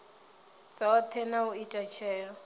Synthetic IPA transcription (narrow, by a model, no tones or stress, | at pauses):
t͡sʼaat̪ʰɛnaʊitʼat͡ʃʰɛːjɔ